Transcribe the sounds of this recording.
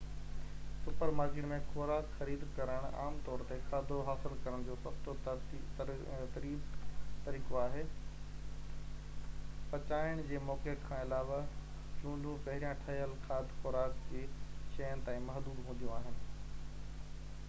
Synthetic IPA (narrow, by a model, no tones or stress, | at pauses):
sʊpəɾmaːɡɪɽmẽxoɾaːkxɐɾiːd̪kɐɾəɽ̃a̰ːmt̪ɔːɾt̪exʰaːd̪ʱoɦaːsɪlkɐɾəɽ̃d͡ʑoːsɐxt̪o | t̪ɐɾiːbt̪ɐɾiːkoaːɦeː | pɐt͡ɕaːɪəɽ̃d͡ʑeːmɔːkekʰãːɪlaːʋa | d͡ʑũːɳɖũpɐɦɪɾijãʈʰɐɦjəlxaːd̪ʱxʊːɾaːkd͡ʑeːʃɐjənɪ̆t̪ãːĩmɐɦd̪uːb̪ɦũːnd̪ijũaːɦɪnɪ̆